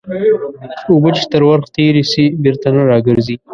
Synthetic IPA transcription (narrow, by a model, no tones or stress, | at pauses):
ubət͡ʃe̥t̪əɾwaɾxt̪eɾesibɪɾt̪anaɾɑɡəɾzi